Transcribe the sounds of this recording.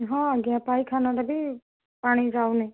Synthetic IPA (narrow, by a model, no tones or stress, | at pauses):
ɦãːɡɪãpaːiːkʰaːnãːʈebʱiː | paːɽ̃iːd͡ʒaːoneː